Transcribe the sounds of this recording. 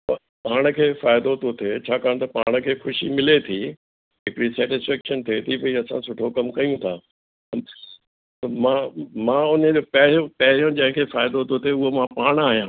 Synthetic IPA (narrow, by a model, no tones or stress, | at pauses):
pɐ | paːɽ̃ə̆kʰeːfaːɪd̪ot̪ot̪ʰet͡ɕʰaːkaːɽ̃t̪ɐpaːɽ̃ə̆kʰeːxʊʃimɪlet̪ʰi | ɦɪkɪɽisɛːʈɪsfɛːkʃənt̪ʰeːt̪ʰipɐiɐsãsʊʈʰokɐmkɐjũt̪ʰaː | ɐmãmãːʊnəd͡ʑoːpɐɦɪɽjõpɐɦɪɾijõd͡ʑɐ̃ɦɪ̃kʰeːfaːɪd̪ot̪ot̪ʰeʊɦomãpaːɽ̃aːɦijãː